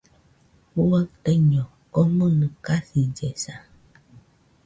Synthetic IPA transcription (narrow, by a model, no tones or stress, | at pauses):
huwatəɲɔ | ɔmənəkasid͡ʒɛsa